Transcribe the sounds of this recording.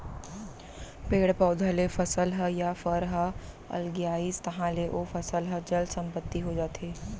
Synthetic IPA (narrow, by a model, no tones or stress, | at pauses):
peːɽpɔːd̪ʱəlefɐsəlɦəjafəɾɦə | ɐ̰lɡjaːiːst̪ɐɦãleʔoːfʰɐsəlɦəd͡ʒɐlsɐ̃mpət̪ːiɦod͡ʒaːt̪eː